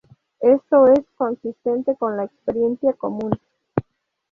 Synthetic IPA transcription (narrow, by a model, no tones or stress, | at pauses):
est̪o̞esko̞nsist̪e̞nt̪e̞ko̞nlaekspeɾje̞nsjakomũn